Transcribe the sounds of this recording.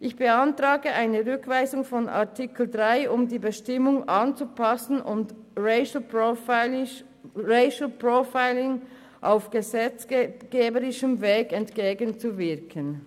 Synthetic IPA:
ʔɪçb̥əɑntʁaːɡəʔaɪnəʁʏkv̥aɪzʊŋfɔna̰ɐtʰɪkl̩dʁaɪʔʊmdiːbəʃtɪmʊŋʔɑnt͡supɑsn̩ʔʊnd | ʁeɪʃl̩o | ʁeɪʃl̩pʁofaɪlɪŋ | ʔaʊfɡ̥əzɛt͡sɡ̥eːbəʁɪʃəmveːkɛntkeːɡənt͡suvɪɐkʰən

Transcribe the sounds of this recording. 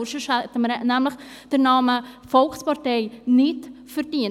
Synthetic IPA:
ʃəʃætəmɾɛnæmləχ | d̥ənɑːməfɔlxspɑrteɪnɪtfərdiə

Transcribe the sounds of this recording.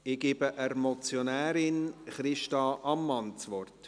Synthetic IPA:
ɪɡ̥ibəʔəɾmɔt͡sjonæːɾɪnχɾɪʃtɑʔɑmːɑnt͡sʋɔrt

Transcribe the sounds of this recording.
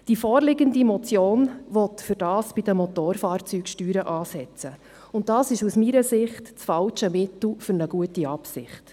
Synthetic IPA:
d̥ifoːɾlɪɡəndimɔt͡sjoːnʋɔtfɵɾd̥ɑːsb̥id̥əmɔt̪oːɾfɑːɾt͡syːkʃtyːɾəʔɑːsɛt͡sə | ʊnt̚d̥ɑːsɪʃusmiːɾəsɪχtt͡sfɑlt͡ʃəmɪtl̩fʏɾnəɡ̥uətiɑpsɪ̰χt

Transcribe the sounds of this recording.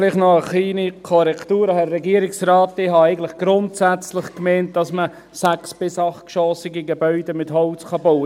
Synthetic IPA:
liχnɔəχliːnikʰɔɾɛktuːɾəhɛrːɛɡiəɾɪksrɑːtːɪhɑæɪɡən̩tlɪχɡ̥ɾʊntsæt͡slɪχkmɛɪnt̚d̥ɑsmə | sɛksb̥ɪsɑχtkʃɔːsɪɡiɡebœʏdəmɪthɔlt͡skɑboʊə

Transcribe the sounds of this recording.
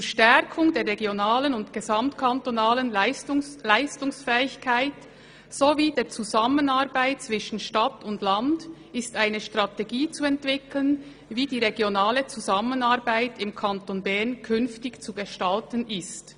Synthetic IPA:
t͡suʃtɛʁkʰʊŋdeːʁeɡjonaːlənʊndɡ̥ezamtkʰantonaːlənlɪstʊlaɪstʊŋsfɛːɪçkʰaɪt | soviːdeːt͡suzamənaɾbaɪt̚t͡sv̥ɪʃn̩ʃtatʊndland | ɪstaɪnəʃtʁ̥ɑteɡiːt͡suɛntv̥ɪklən | viːdiːʁeɡjonaːlət͡suzamənaɾbaɪtɪmkʰantonbɛʁnkʰʏnftɪçt͡suɡəʃtaltənɪst

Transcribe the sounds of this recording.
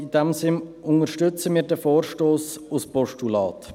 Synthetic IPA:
ɪdɛmsɪnʊŋəɾʃtʏt͡səmiːɾdɛfoːɾʃtoːsʊspɔʃtulɑ̰ːt

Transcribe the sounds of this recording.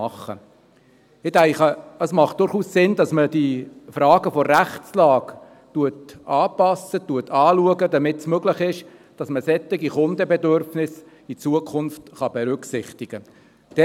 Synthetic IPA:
ɑχːə̰ | ɪtæɪχəəsmɑχt̚d̥ʊɾχuːssɪndɑsməd̥ifɾɑːɡəfɔɾæχtt͡slɑːk | tuətʔɑːpɑsətuətʰɑːluəɡəd̥̪ɑmɪtsmøɡlɪχɪʃd̥ɑsməsɛt̪ːɪɡiχʊnd̪əbɛdøɾfnɪs | it͡suəkʰʊnftχɑb̥ɛɾʏksɪχt̪ɪɡ̥ə | d̥̪ɛ

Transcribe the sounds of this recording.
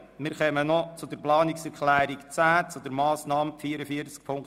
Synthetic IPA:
mɪːɾχœmənɔt͡sʊd̥̪əɾplɑːniksɛɾklæːɾikt͡sæːt͡sʊd̪əɾmɑːsnɑːmfiːəɾəfiəɾt͡sk̚pʰʊŋk

